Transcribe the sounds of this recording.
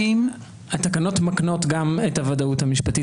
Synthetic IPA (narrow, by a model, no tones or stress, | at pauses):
im | at̪akano̞tmakno̞tɡamethavadauthamiʃpati